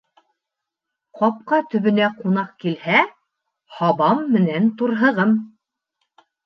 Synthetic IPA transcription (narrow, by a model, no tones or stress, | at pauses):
qɑp̚qɑt̪ɵ̆βɘ̆næqunɑqkilhæ | hɑβɑmːɘ̆nænt̪uɾɦɤ̆ʁɤm